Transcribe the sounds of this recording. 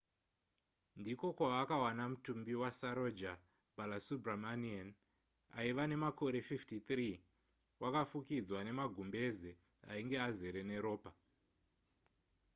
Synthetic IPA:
ndiko̞kwaːkawanamutumbiwasaɾod͡ʒa | bʱalasubramanian | a̰iʋane̞mako̞ɾe̞fiftit̪riː | wʔakafukid͡zwane̞maɡʱumbe̞ze | a̰iŋɡe̞azeɾe̞ne̞ɾo̞ːpa

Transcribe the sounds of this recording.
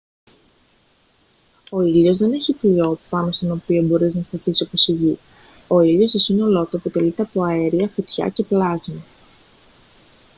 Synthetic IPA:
o̞ilo̞zðe̞ne̞çiplio̞pɐno̞st̪o̞no̞pio̞bo̞ɾiznɐst̪ɐθisoposiʝi | o̞ilo̞st̪o̞sino̞lo̞t̪uepo̞t̪e̞lit̪e̞ɐpo̞ɐeɾiɐfut̪çɐ̰ce̞plɐzmi

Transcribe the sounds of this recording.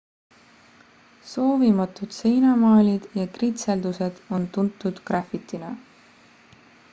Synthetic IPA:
so̞ːvimɑt̪ːˑud̪̥se̞jnɑmɑːlʲid̪̥jɑkrit̪seld̪̥use̞d̪̥o̞nt̪unt̪ːˑud̪̥krɑfit̪ːinɑ

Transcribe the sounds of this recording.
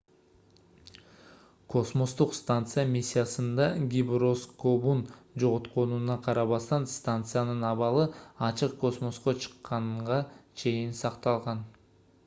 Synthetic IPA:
kʰo̞smo̞st̪uqst̪ant̪sɨjamʲisʲːijasɯnd̪ɑɡʲibro̞skobund͡ʒo̞ʁot̪qo̞nunɑqʰɑɾɑβɑst̪ɑnst̪ant̪sɨjanɯnɑβɑlˠɯɑt͡ʃɯqko̞smo̞sqo̞t͡ʃʰɨ̥qːɑɴʁɑt͡ʃʰe̞jinsɑqt̪ɑlˠʁɑn

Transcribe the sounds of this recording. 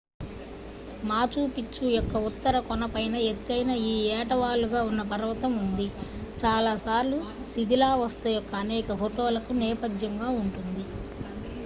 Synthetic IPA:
maːt͡ʃuːpit͡ʃːujɔkːɐut̪ːɐɾɐkɔnɐpɐjnɐet̪ːɐjnɐiːɛːʈɐʋaːluɡaːunːɐpɐɾɐʋɐt̪ɐmund̪it͡ʃaːlaːsaːɾlu | sid̪ʱilaːʋɐst̪ɐjɔkːɐːnɛːkɐfoʈoːlɐkunɛːpɐd̪jɐŋɡaːuɳʈund̪i

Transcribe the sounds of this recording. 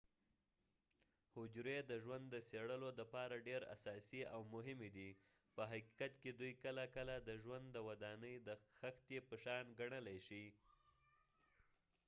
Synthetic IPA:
hʊd͡ʒɾed̪əʒwand̪ːəseɽəlod̪əpɑɾaɖeɾa̰sɑsiawmʊɦɪmed̪i | pəɦaki̥kat̪ked̪ujkəlakəlad̪əʒwand̪ːəwad̪ɑnəjd̪əxaxt̪epəʃɑnɡaɳəlajʃi

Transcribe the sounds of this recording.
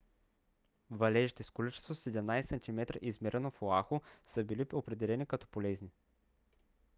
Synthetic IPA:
vɐlɛʒit̪ɛskolit͡ʃɛ̥st̪vosɛd̪ɛmnajsɛsɐnt̪ʲimɛt̪ɾə̰ʔizmɛɾʔɛnofoaxʊsəbiliopɾɛd̪ɛlɛnʲikɐt̪ɔ̥polɛzni

